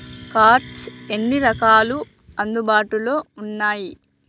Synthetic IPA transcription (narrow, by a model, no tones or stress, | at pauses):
kaːɾʈse̞nːiɾɐkaːlu | ɐnd̪ubaːʈulo̞ːunːaːji